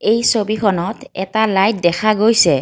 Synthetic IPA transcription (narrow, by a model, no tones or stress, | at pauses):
ejsobikʰɔnɔtɛ̰talajt̚dɛkʰaɡojsɛ